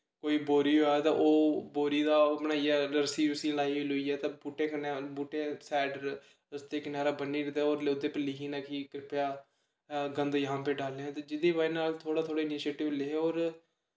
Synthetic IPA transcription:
koːiːboːɾiːɦoːɛːt̪ãːʔoːboːɾiːd̪aːpəɳaːiaːləɾsiːɾʊsĩːlaːiːɦoiːloiːɛːt̪ãːbuːʈẽːkʰənẽːbuːʈẽːsɛːɖɾ | ʊst̪eːkɪnaːɾaːbənːiːɾɪd̪aːoːɾlʊd̪eːpɛːlɪkiːnaːkiːkɾɪpjaː | ɡə̃nd̪ojəɦãːpeːɖaːlːeɛ̃t̪eːd͡ʒɪd̪eːbaːinaːlt̪ʰoːɽaːt̪ʰoːɽaːɪniːʃeːʈɪʋleoːɾ

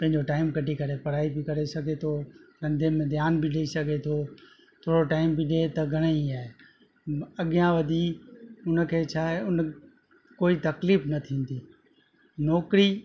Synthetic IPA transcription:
pɐ̃ɦɪ̃ɲd͡ʑoʈaːɪmkɐʈikɐɾepɐɾaːibɪkɐɾesɐɡʱet̪ʰoɾɐ̃nd̪ʱemẽd̪ʱjaːnbʱiɗeisɐɡʱet̪ʰo | t̪ʰoːɽoʈaːɪmbɪɗet̪ɐɡʱɐɽ̃əiaːɦe | ɐɠijãʋɐd̪ʱiʊnə̆kʰeːt͡ɕʰaːɦeʊn | koːit̪ɐkliːfnɐt̪ʰĩːnd̪iː | nɔːkɾi

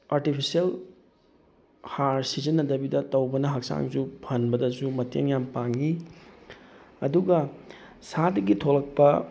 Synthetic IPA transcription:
aɾtipʰisiel | haɾsizɐnːɐdɐbidɐtɐwbɐnɐɦɐk̚sa̰ŋzupʰɐnbɐdɐzumɐtḛŋjampaŋi | ɐ̰duɡɐ | sadɐɡitʰolɐk̚pɐ

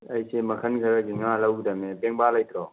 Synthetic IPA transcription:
ɐjsemɐkʰənɡʱɐɾəɡiŋalɐwd̪ɐmebeŋbalɐjt̪ɾɔ

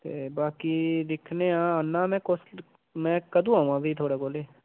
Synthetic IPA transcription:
t̪eːbaːkiːd̪ɪkʰneːãːənːãːmɛ̃ːkos | mɛ̃ːkəd̪ũːaːũãːbiːt̪ʰoːɽaːkoːleː

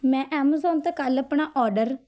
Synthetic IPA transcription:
mɛ̃ːʔɛːməzɔːnt̪eːkaləpɳaːʔɔːɖəɾ

